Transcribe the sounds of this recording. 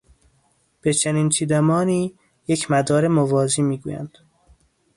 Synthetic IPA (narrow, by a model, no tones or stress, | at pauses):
b̥et͡ʃʰeniːnt͡ʃʰiːd̪æmɒːniː | jecʰmæd̪ɒːɾemovɒːziːmiːɡṵːjæ̰nd̪̥